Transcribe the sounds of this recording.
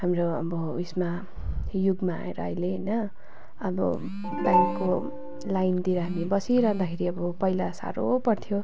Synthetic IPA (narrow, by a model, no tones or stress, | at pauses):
hamroʌ̰bʌusma | juɡmaa̰ḛɾʌ̰ʌ̰jleɦʌjnʌ | ʌbʌ̰ | bajkːo | lajnt̪iɾʌɦamibʌsiɾʌɦd̪akʰeɾiʌbʌpʌjlasa̰ɾopʌrt̪ʰijo